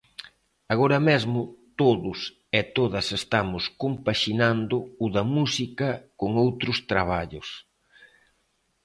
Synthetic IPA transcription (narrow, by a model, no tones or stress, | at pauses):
aɣ̞oɾɐmezmʊt̪oðʊs | ɛt̪oðɐsest̪amʊskompaʃinand̪ʊʊðɐmusikɐkoŋowt̪ɾʊst̪ɾaβ̞aʎʊs